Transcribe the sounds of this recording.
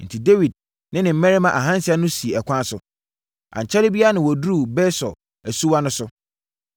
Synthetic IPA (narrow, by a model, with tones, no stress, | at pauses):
n̩˨tʰi˨de˦wi˨d̚ | nɪ̃˦nɪ̃˨m̩˦mɛ̃˦ɾɪ˦mã˨ʔa˨ɦã˦n˦sɪ˦a˦nʊ̃˦si˨e˨ɛ˨kʷʰã˦sʊ˨ | ʔã̰˨ɲ˨t͡ɕʰɛ˦lɪ˦bi˦a˦nɪ̃˨wɔ˨dɾu˦bɛ˦sɔ̰˨ | æ˨su˦wa˦nʊ̃˦sʊ˦